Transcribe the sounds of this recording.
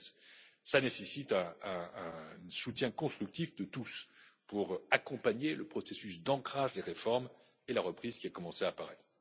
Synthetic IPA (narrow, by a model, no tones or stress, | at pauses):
ssanesesit̪ɛ̃ɛ̃ | sut̪jɛ̃kɔ̃st̪χyk̚t̪ifd̪ət̪uspuʁakɔ̃paɲeləpχɔsesysd̪ɑ̃kχaʒleʁefɔʁm | elaʁəpχizkʲiakɔmɑ̃seapaʁɛt̪χ